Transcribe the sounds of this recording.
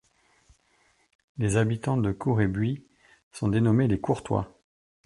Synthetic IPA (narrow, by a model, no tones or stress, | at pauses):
lezabit̪ɑ̃d̪əkʰuʁebɥi | sɔ̃d̪enɔmelekuʁt̪wa̰